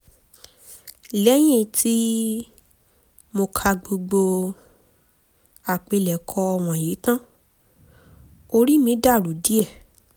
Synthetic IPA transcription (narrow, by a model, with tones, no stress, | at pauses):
lɛ˦j̃ĩ˦˨tʰi˦ | mo˧kʰa˧ɡ͡bo˧ɡ͡bo˧ | a˨k͡pe˧lɛ˨kʰɔ˧ɔ˧w̃ɔ̃˨je˨˦tã˦ | o˧ɾi˦mĩ˨˧˦da˦˨ɾu˨di˦ɛ˦˨